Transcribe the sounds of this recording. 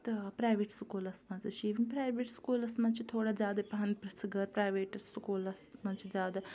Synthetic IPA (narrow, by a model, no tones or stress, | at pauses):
t̪ɐpɾaːjʋeːʈsʊkoːlɐsmãːzɐt͡ʃʰiːʋənpɾaːjʋeːʈskuːlɐsmãːt͡ʃit̪ʰoːɽazjaːd̪epɐɦɐn̚pɾɐsɡəɾpɾaːjʋeːʈsʊkoːlɐsmãːt͡ʃizʲjaːd̪a